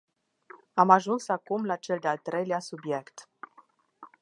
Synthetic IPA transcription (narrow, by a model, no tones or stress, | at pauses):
amaʒunsakumlat͡ʃe̞ld̪ealt̪ɾejleasubje̞kt̪